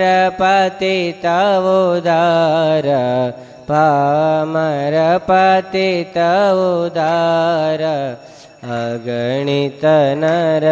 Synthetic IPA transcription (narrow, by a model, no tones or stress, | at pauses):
ɾɐpat̪it̪ɐʋod̪aɾɐ | paːmaɾɐpat̪it̪ɐʋud̪aːɾɐ | ɐɡɐɳit̪ɐnɐɾɐ